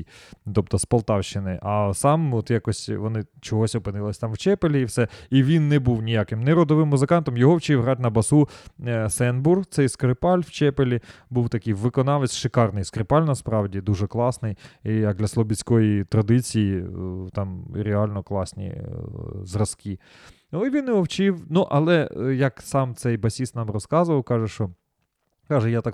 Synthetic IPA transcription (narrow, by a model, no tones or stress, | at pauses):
t̪ɔp̚t̪ɔspɐlˠt̪ɑwʃt͡ʃɪnɪʔɐsɑmɔt̪jɑkɔsʲʋɔnɪt͡ʃɔɦɔsʲɔpɪnɪlˠɐsʲt̪ɑmwt͡ʃɛpelʲiːwsɛiʋʲinːɛbuwnʲijakɪmnɛɾɔd̪ɔʋɪmːʊzɪkɑnt̪ɔmjɔɦɔwt͡ʃiwɦɾɑtʲnɐbɐsusɛnburht̪sɛjskɾɪpɑlʲwt͡ʃɛpelʲi | buwt̪ɐkɪjʋɪkɔnɑlˠɪsʲʃɪkɑrnɪjskɾɪpɑlʲnɐspɾɑwdʲid̪uʒɛklˠɑsnɪjijɐk̚d̪lʲɐslˠɔbʲit͡sʲkɔjit̪ɾɐd̪ɪt͡sʲijit̪ɑmɾʲealʲnɔklˠɑsʲnʲḭ | zrɐski | iʋʲinɪɔwt͡ʃɪwnuʔɐlˠɛjɐksɑmt̪sɛjbɐsʲist̪nɑmrɔskɑzʊʋɐwkɑʒɛʃt͡ʃɔ | kɑʒɛjat̪ɑk